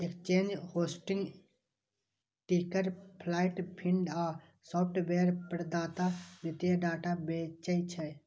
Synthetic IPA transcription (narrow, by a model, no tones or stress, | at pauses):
ekt͡ʃeːnd͡ʒhoːsʈɪ̃ŋɡ | ʈiːkəɾpʰlaːɪʈpʰiɳɖaː | sɔːp̚ʰʈbeːɾpəɾd̪aːt̪aʋɪt̪jaɖaːʈabeːt͡ʃəit͡ʃʰə